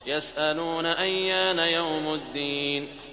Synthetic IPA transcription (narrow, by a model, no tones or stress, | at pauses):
jasʔaluːnaʔajːaːnajawmad̪ːiːn